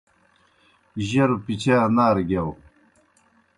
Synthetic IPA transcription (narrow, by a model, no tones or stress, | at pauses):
ʑɐɾupit͡ɕʰaːnaːɾɡaw